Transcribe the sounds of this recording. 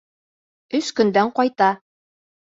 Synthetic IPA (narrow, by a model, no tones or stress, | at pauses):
ɵskɵ̆nd̪æɴqɑjt̪ɑ